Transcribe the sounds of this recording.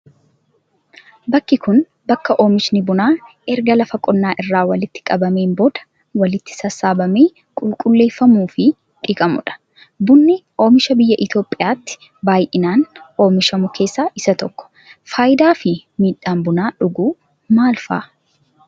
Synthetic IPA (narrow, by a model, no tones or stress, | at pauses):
bɐkːɪkʊn | bɐkːɐʔo̞ːmɪʃnɪbʊnaːʔɛɾɡɐlɐfɐkʼɔnːaːʔɪrːaːwɐlɪt̪ːɪ̥kʼɐbɐme̞ːnboːd̪̥ɐ̥ | wɐlɪt̪ːɪ̥sɐsːaːbɐmeː | kʼʊlkʼʊlːe̞ːfːɐmuːfɪ | ᶑʼiːkʼɐmʊᶑɐ̥ | bʊnːɪʔo̞ːmɪʃɐbɪjːɐʔɪt̪joːpʼːɪjaːt̪ːɪ̥ | baːjʔɪnaːnʔo̞ːmɪʃɐmʊkʰe̞ːsːaːʔɪsɐt̪ɔkːɔ̥ | faːjɪd̪aːfɪmiːᶑːaːmbʊnaːᶑʊɡuː | maːlfa̰ː